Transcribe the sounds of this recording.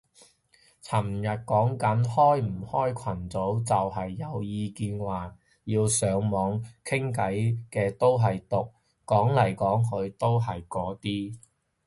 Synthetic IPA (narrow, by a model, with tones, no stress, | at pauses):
t͡sʰɐ˨˩mjɐ˨t̚kɔː˨˥ŋkɐ˨˥nhɔː˥jm̩˨˩hɔː˥jkʷʰɐ˨˩nt͡so˨˥wt͡sɐ˨whɐ˨jːɐ˨˧wjiː˧kiː˧nwaː˨˩ | jiː˧wsœː˨˧ŋmɔː˨˧ŋkʰɪ˥ŋkɐ˨˥jkɛː˧t̪o˥wɦɐ˨jt̪ʊ˨k̚ | kɔː˨˥ŋlɐ˨˩jkɔː˨˥ŋkʰɵ˨˧ɥt̪o˥wɦɐ˨jkɔː˨˥t̪iː˥